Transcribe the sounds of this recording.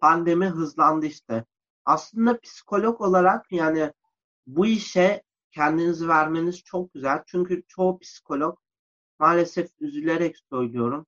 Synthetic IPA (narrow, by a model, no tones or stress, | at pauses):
pʰand̪e̞miɦɯzlˠand̪ɯiʃt̪ʰɛ | aslˠɯnd̪apʰi̥si̥kʰo̞lʲoko̞lˠaɾakjaːnɪ | buiʃɛ | cʰɛnd̪inizivæɾme̞niz̥t͡ʃʰo̞k̚ɟyzælʲt͡ʃʰyɲcʰyt͡ʃʰo̞upʰi̥si̥kʰo̞lʲok | maːlʲe̞sɛfyzylʲe̞ɾɛcsø̞jlˠujo̞ɾum